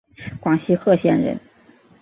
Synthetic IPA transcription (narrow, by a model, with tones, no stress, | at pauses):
kwɑ˨˩ŋɕi˧˥xɤ˥˧ɕjɛ˥˩nɻə̰˧˥n